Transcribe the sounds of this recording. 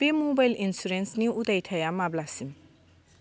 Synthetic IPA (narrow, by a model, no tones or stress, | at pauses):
pemobajlʔinsuɾensniut̪ɐjʈʰɐjamablasim